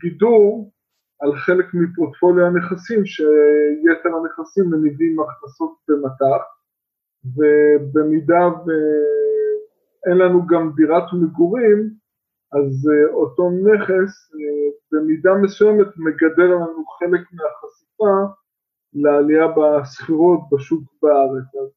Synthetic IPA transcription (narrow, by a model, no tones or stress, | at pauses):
ɡiduʁ | alχe̞lekmipoʁtfo̞ljaneχasimʃejeteʁaneχasimːenivimaχnaso̞t̚bemataχ | vebemidave | enlanuɡamdiʁatmeɡuʁim | azo̞to̞ne̞χes | be̞midame̞sujemetmeɡade̞llanuχe̞lekmeaχasifa | lealiabasχiʁo̞t̚baʃukbaaʁet͡saz